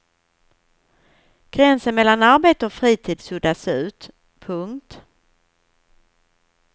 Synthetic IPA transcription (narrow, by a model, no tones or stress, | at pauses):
ɡ̥ɾɛnsənmɛlːanaɾbeːt̪əɔfɾiːt̪ʰiːd̪sɵd̪asʉ̟ːt̪ | pʰɵŋkt̪